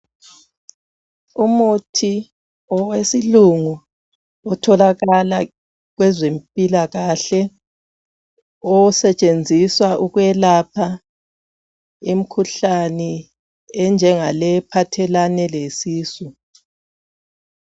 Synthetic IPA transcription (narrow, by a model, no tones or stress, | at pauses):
umutʰi | ɔwesiluŋu | ɔtʰɔlaɣala | ɣwɛzempʼilaɣaɬɛ | ɔsɛt͡ʃʼend͡zʱiswaʔuɣwɛlapʰa | im̩kʰuɬanɛ | ɛnd͡ʒʱɛŋalɛpʰatʰɛlanɛlesiːsu